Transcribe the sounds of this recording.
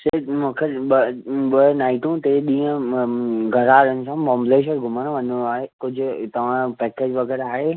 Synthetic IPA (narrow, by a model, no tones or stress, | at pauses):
semũkʰeəɓənaːɪʈũt̪eɗĩːə̃ | ɡʱɐɾaːɾənɪ̆sãɓɔ̃ːmbleːʃ̬əɾɡʱʊmənʋɐnaːɦekʊd͡ʑʱʊ̆t̪ɐʋ̤ãpɛːkeːd͡ʑʋɐɡɛːɾaːɦeː